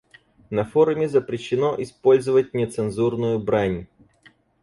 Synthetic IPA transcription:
nɐfoɾʊmʲɪzəpɾʲɪɕːɪno̞ʔɪspo̞lʲzəvət̚ʲnʲɪt̪sɨnzurnʊjʊbɾanʲ

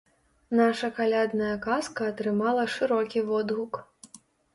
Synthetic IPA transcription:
naʂɐkalʲad̪nɐjɐkaskɐːt̪ɾɨmalˠɐʂɨɾɔkʲivɔd̪ɣuk

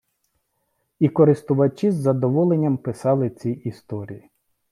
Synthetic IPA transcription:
ikɔɾɪst̪ʊʋɐt͡ʃizːɐd̪ɔʋɔlˠenʲːɐmpɪsɑlˠɪt͡sʲijist̪ɔɾʲḭji

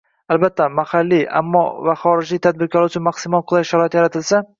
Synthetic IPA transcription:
albat̪ʰːamahalːiʔa̰mːɒ̰vaχɒɾɪd͡ʒlijt̪ʰad̪̚bɪɾkʲʰɒlɪʊt͡ʃʰʊnmaqsɪmɒnˠqʰɨlˠajʃaɾɒɪt̪jaɾat̪ʰɪlsa

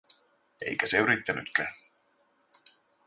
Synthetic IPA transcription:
e̞̰jkæseyɾit̪ːæny̰t̪kæː

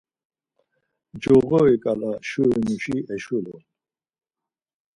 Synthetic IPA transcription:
d͡ʒɔɣɔikʼalaʃuiniʃiɛʃulɔn

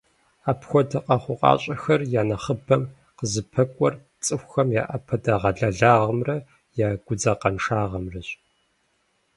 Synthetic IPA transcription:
aːpxʷɔdɐqɐχʷʊqʼɑ̰ːɕʼɐxɐrjaːnɐχəbɐm | qəzɨpʰɐkʷʼɔr | t͡sʼɨxʷxɐmja̰ːʔɐpʰɐdaʁɐɮɐɮaːʁəmrɐ | jaːɡʷʊd͡zɐqɐnʂaːʁɐmrɐɕ

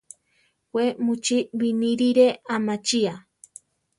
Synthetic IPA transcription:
wʷemut͡ʃibiniɾiɾeamat͡ʃia

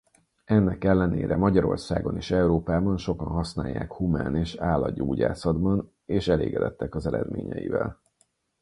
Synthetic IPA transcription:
ɛnːɛkɛlːɛneːɾɛmɒɟɒɾo̞̰rsaːɡo̞neːʃɛuɾoːpaːbɒnʃokɒnɦɒsnaːjːa̰ːkhumaːneːʃaːlːɒɟoːɟa̰ːsɒd̪bɒn | eːʃɛlḛːɡɛd̪ɛt̪ːɛkɒzɛɾɛd̪mḛːɲɛ̰jḭvɛl

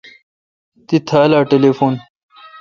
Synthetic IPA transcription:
t̪it̪ʰaːlaːʈelefuːn

